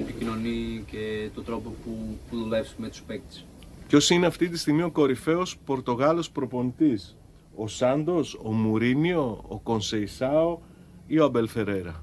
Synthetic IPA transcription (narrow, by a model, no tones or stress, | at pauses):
epicino̞nicet̪od̪ɾo̞popupuðulefsimet̪u̥spek̚t̪e̥s | pço̞sineɐft̪it̪ist̪iɣmio̞ko̞ɾife̞o̞spo̞ɾt̪o̞ɣɐlo̞spɾo̞po̞nit̪is | o̞sɐnd̪o̞somuɾinio̞ːko̞nse̞isɐo̞ | io̞ɐbe̞lθe̞ɾe̞ɾɐ